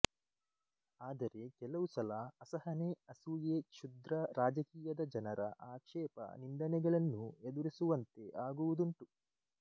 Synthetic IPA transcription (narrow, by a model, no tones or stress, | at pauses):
aːd̪ɐɾe̞kɛlɐʋusɐlɐɐsɐɦɐneɐsuːjeːt͡ʃʰud̪ɾɐɾaːd͡ʒɐkiːjɐd̪ɐd͡ʒɐnɐɾɐ̰ʔaːkʂɛːpɐ̰nind̪ɐnɛɡɐɭɐnːued̪uɾisuʋɐnt̪e̞ʔaːɡuʋud̪uɳʈu